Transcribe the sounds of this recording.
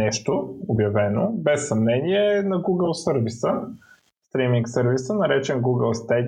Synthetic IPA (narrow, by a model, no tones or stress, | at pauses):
ɛʃt̪oobjɐvɛnobɛsːɐmnɛniɛnɐɡuɡəlˠsɤɾvisə | st̪ɾimiŋksɤɾvisənɐɾɛt͡ʃɛnɡuɡəlˠst̪ɛ